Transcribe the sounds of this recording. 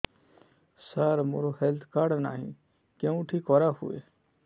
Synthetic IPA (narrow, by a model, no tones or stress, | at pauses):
saɾmoɾohelt̪ʰkaɖna̰ːɦḭ̃ | kẽũʈʰikɔɾahṵḛ